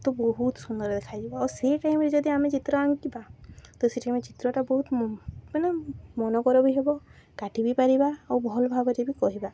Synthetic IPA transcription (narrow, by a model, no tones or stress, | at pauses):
t̪ɔbɔɦut̪sund̪ɔɾed̪ekʰajd͡ʒebaɔɾseʈajmɾed͡ʒɔd̪iamet͡ʃit̪ɾɔaŋkibat̪ɔseʈajmet͡ʃit̪ɾɔʈabɔɦut̪manamɔnɔkɔɾɔbiɦebɔ | kaʈibipaɾibaawbʱɔlbʱabɔɾebikɔɦiba